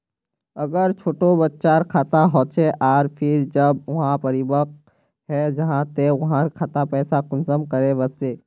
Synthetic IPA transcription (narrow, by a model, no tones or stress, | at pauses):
ɐɡəɾt͡ʃʰoːʈobətːʃaːɾkʰaːt̪aɦoːt͡ʃʰeʔaːɾpʰɪɾd͡ʒəbʊɦãpɐɾibək | ɦɛd͡ʒɐɦãt̪eʋʊɦãɾkʰaːt̪apɛːsakʊnzəmkəɾeʋəspeː